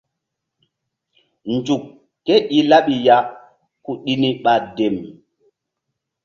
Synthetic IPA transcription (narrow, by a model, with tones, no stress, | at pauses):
nd͡ʒu˨kː | e˦ɗi˨la˦ɓi˨ja˦ | ku˨ɗi˦ni˦ɓa˨de˨m